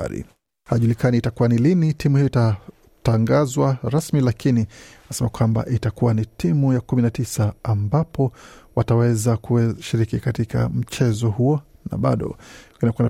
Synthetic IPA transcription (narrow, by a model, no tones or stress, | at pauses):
a̰ɾḭ | haʄulikaniitakuwanilinitimuhijɔita | taŋɡazwaɾasmilakininasɛmakwamba̰ʔitakuwanitʰimujakuminatisaːmbapʰɔwatawɛzakuɛʃiɾikikatika̰m̩t͡ʃɛzɔhuɔna̰ɓa̰ɗɔ̰kinakuana